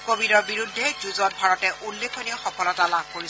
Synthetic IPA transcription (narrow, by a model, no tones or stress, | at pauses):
kobidɔɹbiɹudʱːɛzuzɔt̚bʱaɹɔtɛʔulːekʰɔnijɔxɔpɔlɔtalab̚koɹis